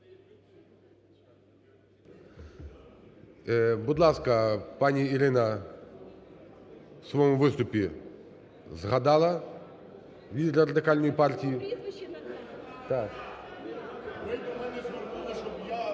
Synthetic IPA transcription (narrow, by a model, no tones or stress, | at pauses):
bʊd̪lˠaskɐpanʲiːɾɪnɐ | wsʋɔmuvɪst̪ʊpʲi | zɣad̪ɑlˠɐ | lʲid̪ʲɛɾɐrɐd̪ɪkalʲnɔjipartʲiji | t̪ak